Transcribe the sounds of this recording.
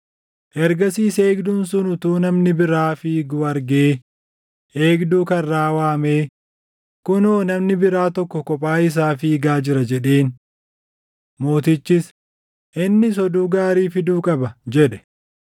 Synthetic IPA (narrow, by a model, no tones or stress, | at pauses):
ʔɛɾɡɐsiːseːɡd̪ʊnsʊnʊt̪uːnɐmnɪbɪɾaːfiːɡuːɐɾɡeː | ʔeːɡd̪uːkɐrːaːwaːmeː | kʊnoːnɐmnɪbɪɾaːt̪ɔkːɔkɔpʼaːɪs̬aːfiːɡaːd͡ʒɪɾɐd͡ʒɛᶑeːn | moːt̪ɪt͡ʃːɪs | ʔɪnːɪs̬ɔd̪uːɡaːɾiːfɪd̪uːkʼɐbɐd͡ʒɛᶑɛ̥